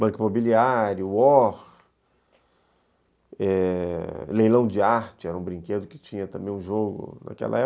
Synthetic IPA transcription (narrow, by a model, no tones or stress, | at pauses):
bɐ̃kɪimobiliaɾjʊɔɾ | ɛ | lejlɐ̃w̃d͡ʒɪaɾt͡ʃɪɛɾɐũbɾĩŋked̪ʊkɪ̥t͡ʃĩɲɐt̪ɐ̃mbẽj̃ũʒoɡʊ̰nʔa̰kɛ̰lɐ̰ɛ